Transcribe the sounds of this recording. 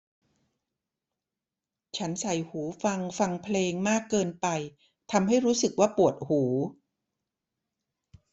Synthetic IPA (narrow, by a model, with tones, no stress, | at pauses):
t͡ɕʰa˦˥nsa˨˩jhuː˩˦fa˧ŋfa˧ŋpʰleː˧ŋmaː˥˩kːɤː˧npa˧j | t̪ʰa˧mɦa˥˩jɾuː˦˥sɯ˨˩k̚waː˥˩pu˨˩ət̪̚huː˩˦